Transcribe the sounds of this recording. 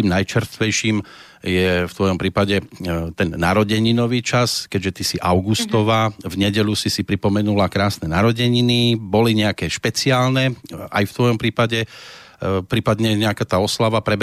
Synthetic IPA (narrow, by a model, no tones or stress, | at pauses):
iːmnajt͡ʃɛɾst̪ʋɛjʃiːm | jɛft̪ʋɔjɔmpɾiːpaɟɛt̪ɛnːaɾɔɟɛɲinɔʋiːt͡ʃaskɛɟʒɛt̪isiʔaʊɡust̪ɔʋaːvɲɛɟɛʎusisipɾipɔmɛnulakɾaːsnɛnaɾɔɟɛɲinibɔliɲɛakɛʃpɛt͡siaːlnɛa̰jft̪ʋɔjɔmpɾiːpaɟɛ | pɾiːpad̪ɲɛɲɛakaːt̪aːɔslaʋapɾɛb